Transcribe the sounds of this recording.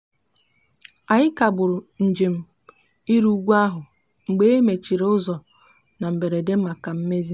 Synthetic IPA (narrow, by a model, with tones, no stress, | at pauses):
a˨ɲɪ˦ka˨bʊ˨ɾʊ˨n̩˨d͡ʒe˨m̩˨ | i˦ɾu˦ɡʷu˦a˦ɦʊ˨ | ŋ͡m̩˨ɡ͡be˦e˦me˨t͡ʃi˨ɾe˨ʊ˦zɔ˨ | na˨m̩˨be˨ɾe˨de˦m̩˦ma˨ka˨m̩˦me˦zi˦